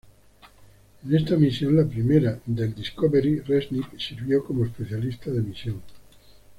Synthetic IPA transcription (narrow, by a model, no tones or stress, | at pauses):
ene̞st̪amisjo̞nlapɾimeɾad̪e̞ld̪iskoβeɾiresniksiɾβjo̞ko̞moespe̞θjalist̪aðe̞misjo̞ŋ